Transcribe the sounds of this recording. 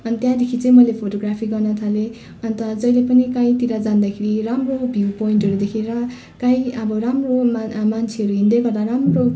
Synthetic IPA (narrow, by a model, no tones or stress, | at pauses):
ʌnit̪jãd̪ekʰit͡sʌ̃ĩmʌlepʰoʈoɡrapʰiɡʌrnʌt̪ʰale | ʌnt̪ʌd͡zʌjlepʌnikaĩt̪iɾad͡zand̪akʰeɾiramrobʱiwpoiɳʈɦʌɾud̪ekʰiɾʌ | kajiʌbʌɾamromamant͡sʰeʌɾuɦind̪eɡʌrd̪aɾamro